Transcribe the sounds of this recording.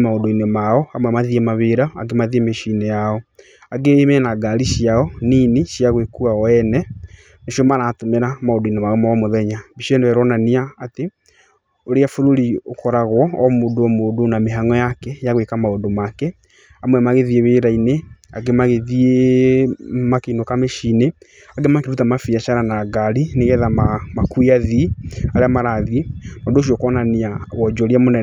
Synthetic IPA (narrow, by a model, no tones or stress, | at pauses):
maodoinemaɔamwɛmaðiemaβeɾaɔa̰ɡemaðiemeʃiinejaɔ | aɡemɛnaɡaɾiʃiaɔniːneʃjaɣwekuaɔɛnɛ | neʃiɔmanatomeɾamaodoinemaɔmaɔmoðɛɲabiʃiɔnewɛɾwɔnaniaːte | oɾeafoɾoɾiokɔɾaɣwɔɔmodoɔmodonameɦaŋɔjakɛjaɣwekamaodomakɛ | amwɛmaɣeðieβeɾainea̰ɡemaɣeðie | makeinokameʃine | aɡemakeɾutamafiaʃaɾanaɡaɾineɣɛðamamakuiaðiaɾeamaɾaðimadoʃ̬iɔkɔnaniawɔd͡ʒɔɾiamonɛ